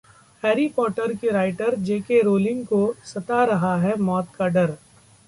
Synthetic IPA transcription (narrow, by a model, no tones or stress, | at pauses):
hɛːɾipɔːʈəɾkeɾaːɪʈəɾd͡ʒeːkeɾoːlɪ̃ŋɡkosɐt̪aɾɐɦaɦɛmɔːt̪kaɖɐɾ